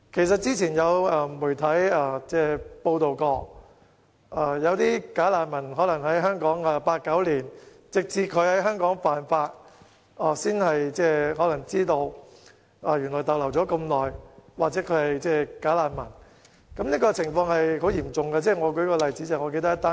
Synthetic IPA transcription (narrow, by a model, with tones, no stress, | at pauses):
kʰe˨˩js̬ɐ˨t̚t͡siː˥t͡sʰiː˨˩njɐ˨˧wɐː˧muː˨˩jt̪ʰɐ˨˥jɐː˧t͡sɛː˥˧po˧wt̪o˨wkɔː˧ | ʔaː˧jɐ˨˧wt̪iː˥kaː˨˥laː˨nmɐ˨˩nɦɔː˨˥lɐ˨˩ŋɦɐ˨˥jɦœː˥ŋkɔː˨˥ŋɐː˨˧paː˧t̚kɐ˨˥wliː˨˩n | t͡sɪ˨k̚t͡siː˧kʰɵ˨˧ɥhɐ˨˥jɦœː˥ŋkɔː˨˥ŋfaː˨nfaː˧t̚ | ʔaː˨˩siː˥nhɐ˨jt͡sɛː˥ɦɔː˨˥lɐ˨˩ŋt͡siː˥t̪o˧w | aː˧jy˨˩nlɔː˨˩jt̪ɐ˨wlɐ˨˩wt͡sɔː˨˥kɐ˧mlɔː˨˩jwaː˨k̚t͡sɛː˨˥kʰɵ˨˧˥hɐ˨jt͡sɛː˥kaː˨˥laː˨˩nmɐ˨˩n | kɐ˨˥mliː˥kɔː˧t͡sʰɪ˨˩ŋfɔː˧ŋhɐ˨jɦo˨˥wjiː˨˩mt͡sʊ˨˩ŋɡa˧t͡sɛː˥ŋɔː˨˧kɵ˨˥ɥkɔː˧lɐ˨jt͡siː˨˥t͡sɐ˨˩ŋɔː˨˧ke˧t̪ɐ˥ɐ˥t̪ːaː˥